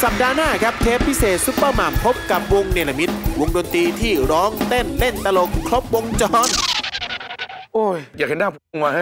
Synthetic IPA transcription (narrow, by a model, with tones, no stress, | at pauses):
sa˨˩p̚daː˧naː˥˩kʰa˦˥p̚t̪ʰeː˦˥pʰːi˦˥seː˨˩t̪̚su˦˥pːaː˥˩maː˨˩mpʰo˦˥p̚ka˨˩p̚wo˧ŋneː˧˩la˧mi˦˥t̪̚wo˧ŋdoː˧nt̪iː˧t̪ʰiː˥˩ɾɔː˦˥ŋt̪e˥˩nle˥˩nt̪a˧lo˨˧˩ŋkʰlo˦˥p̚wo˧ŋt͡ɕɔː˧˥n | ʔoː˧˩jjaː˨˩k̚he˨˦ndaː˥˩pʰːŋaː˧a˥˩